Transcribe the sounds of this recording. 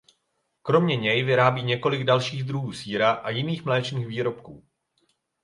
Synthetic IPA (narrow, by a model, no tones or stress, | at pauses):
kɾo̞mɲɛɲɛjvɪɾaːbiːɲɛko̞lɪɡdalʃiːɣd̪ɾuɦuːsiːɾaʔajɪniːxmlɛːt͡ʃniːɣviːɾo̞p̚kuː